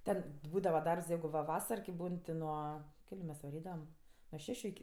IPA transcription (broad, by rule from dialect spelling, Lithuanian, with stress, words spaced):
ˈtʲɛn ˈbuːdɐʋɐ ˈdɐrps ˈjɛɪɡʊ ʋɐ ˈʋɑːsɐr kʲɪ ˈbuːn tʲɪ ˈnuɔ ˈkʲæːlʲʊ mʲɛs ʋɐˈrʲiːdɐʋɐm nuɔ ˈʃʲæːʃʲʊ ɪkʲɪ